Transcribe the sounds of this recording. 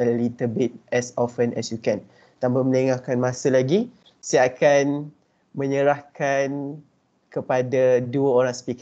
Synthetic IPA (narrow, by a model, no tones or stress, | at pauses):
əlit̪əbit̪̚ɛsɔfənʔɛsjukɛ̃n | t̪ambəməneŋahkanmãsalaɡi | saakan | mə̃ɲəɾahkan | kəpadaduəoɾaŋsə̥pik